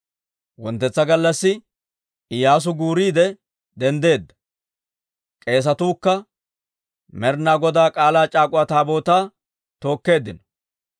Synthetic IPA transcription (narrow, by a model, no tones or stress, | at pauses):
wɔnt̪ːɛt͡sːɐɡɐlːɐsːɪ | ɪjaːs̬ʊɡuːɾiːd̪ɛ | d̪ɛnd̪e̞ːd̪ːɐ̥ | kʼe̞ːs̬ɐt̪uːkːɐ | mɛɾnaːɡɔd̪aːkʼaːlaːt͡ʃʼaːkʼʊat̪aːbo̞ːt̪aː | t̪o̞ːkːe̞ːd̪ːɪnɔ̥